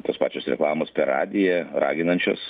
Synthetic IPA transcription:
t̪oːspɑːt͡ʃʲoːsɾʲɛ̰klˠɑːmoːspʲɛrɑ̰ːd̪ʲɪjɛrɑ̰ːɡʲɪnɐnʲt͡ʃʲo̰s

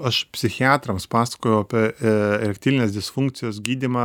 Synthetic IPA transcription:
ɐʃpʲsʲɪxʲɪɑːt̪ɾɐmspɑːsɐ̥koːjɛʊɐpʲiɛlʲɛk̚ʲt̪ʲiːʋʲɪnʲeːsd̪ʲɪsfʊŋkt̪sʲɪjoːsɡʲiːd̪ʲiːmɑː

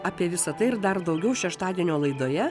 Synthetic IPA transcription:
ɑːpʲiɛʋʲɪsɐt̪ɐɪɪɾd̪ɐrd̪ɐʊɡʲɛʊʃʲɛʃt̪ɑːd̪ʲiɛnʲoːlˠɐɪd̪oːjɛ

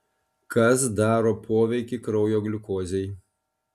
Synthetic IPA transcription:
kɐsd̪ɑːɾoːpʰoːʋʲɛɪkʲɪkɾɒʊjoːɡlʲɪkoːzʲɛɪ

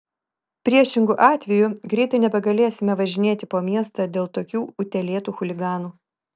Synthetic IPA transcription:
pʲɾʲiɛʃʲɪŋɡʊʔɑːt̪ʲʋʲɛjʊɡɾʲɛɪt̪ɐɪnʲɛbʲɛɡɐlʲeːsʲɪmʲɛʋɐʒʲɪnʲeːt̪ʲɪpoːmʲiɛst̪ɐːd̪ʲeːlˠt̪oːkʲuːʊt̪ʲɛlʲeːt̪uːxʊlʲɪɡɑːnuː

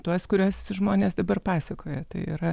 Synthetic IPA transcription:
t̪uɔskʊɾʲuɔsʒmoːnʲeːsd̪ɐbɐrpɑːsʲɐkoːjɛt̪ɐɪḭɾɐ

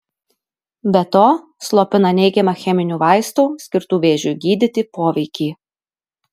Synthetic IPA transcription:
bʲɛt̪oː | slˠoːpʲɪnɐnʲɛɪɡʲɛmɐxʲɛmʲɪnʲuːʋɑˑɪst̪uːsʲkʲɪɾt̪uːʋʲeːʒʲʊɡʲiːd̪ʲɪt̪ʲɪpoːʋʲɛɪkʲiː

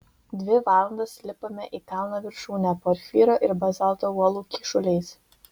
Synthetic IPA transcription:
d̪ʲʋʲɪʋɑːlˠɐnd̪ɐssʲlʲɪpoːmʲɛʔiːkɑˑlʊnoːʋʲɪɾʃuːnʲæpoːɾʲfʲiːɾoːʔɪɾbɐzɑlˠt̪oːuɔlˠuːkʲɪʃʊlʲɛɪs

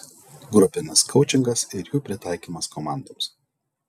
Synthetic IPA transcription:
ɡɾʊpʲɪnʲɪskʰɔʊt͡ʃʲɪŋɡɐsɪɾjuːpʲɾʲɪt̪ɑˑɪkʲiːmɐskɔmɑˑnd̪oːms

